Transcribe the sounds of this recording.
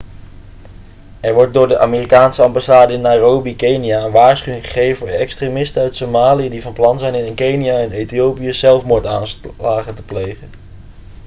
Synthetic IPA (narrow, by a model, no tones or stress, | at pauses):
ɛɹʋɔɹt̚dʊːɹdəʔaːmeːrikaːnsəɑmbasaːdəɪnːaːrowbikejnijaənʋaːɹsχyɪŋχə̥χejvənːɛkstremɪstənœɥtsomaːlijədivɑnplɑnzɛjnɪnɪnkejnijaɛnejtiowpijəz̥ɛlˠfmʊːɹtaːnslaːχəntə̥plejχən